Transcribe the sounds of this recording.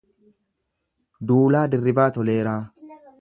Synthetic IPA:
d̪uːlaːd̪ɪrːɪbaːt̪ɔleːɾaː

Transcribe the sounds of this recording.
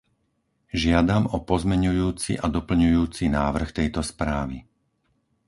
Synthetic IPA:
ʒɪad̪amɔpɔzmɛɲujuːt͡sḭʔad̪ɔpl̩ɲujuːt͡sinaːʋr̩xt̪ɛjt̪ɔspɾaːʋḭ

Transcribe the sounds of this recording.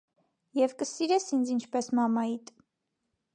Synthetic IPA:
jɛvkəsiɾɛsind͡zint͡ʃʰpɛsmɑmɑit̪

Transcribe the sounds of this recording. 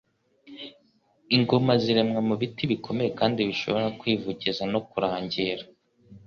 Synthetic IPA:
iŋɡomaziɾe̞mŋamuβitiβikʰo̞me̞je̞kaːndiβiʃo̞̰βo̞ɾakwiːvuɟizano̞kuɾaːɲɟiɾa

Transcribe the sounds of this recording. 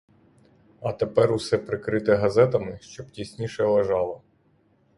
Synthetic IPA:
ɐt̪epɛɾusɛpɾɪkɾɪt̪ɛɦɐzɛt̪ɐmɪʃt͡ʃɔbtʲisʲnʲiʃɛlˠeʒɑlˠɐ

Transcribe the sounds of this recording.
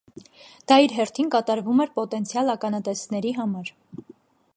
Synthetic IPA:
d̪̥ɑiɾɦɛɾt̪ʰinkɑt̪ɑɾvumɛɾpɔt̪ɛnt͡sʰjɑlɑkɑnɑt̪ɛsnɛɾiɦɑmɑɾ

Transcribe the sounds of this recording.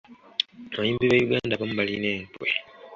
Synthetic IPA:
majiːmbiβajuɡaːndaβamuβalineːntwḛ

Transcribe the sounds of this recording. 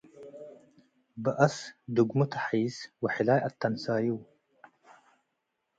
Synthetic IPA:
bəʔɐsd̪uɡmut̪ʰḁħiːswaħɪlaːjʔat̪ʰːansaːjiw

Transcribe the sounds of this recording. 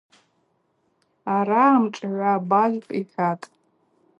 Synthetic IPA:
aɾaːmʈ͡ʂʼʕʷabaʒʲpʼiħʲatʼ

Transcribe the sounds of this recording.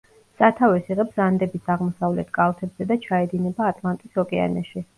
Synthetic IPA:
sat̪ʰavɛsiʁɛbsand̪ɛbisaʁmɔsavlɛt̪ʰkʼalˠt̪ʰɛbz̥ɛd̪at͡ʃʰaɛd̪inɛbaːt̪ʼlˠant̪ʼisɔkʼɛa̰nɛʃi

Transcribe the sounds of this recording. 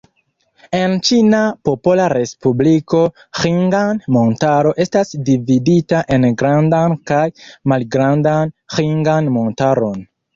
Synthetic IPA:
e̞nt͡ʃinapo̞polaɾe̞spubliko̞ | xiŋɡanmo̞ntaɾo̞ʔe̞stasdividitaʔe̞nɡɾandankajmalɡɾandanxiŋɡanmo̞ntaɾo̞n

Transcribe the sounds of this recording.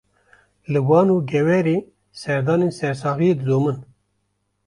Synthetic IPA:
lɨwɑːnuːɡɛwɛɾeː | sɛɾd̪ɑːneːnsɛɾs̬ɑːɣijed̪ɨzoːmɨn

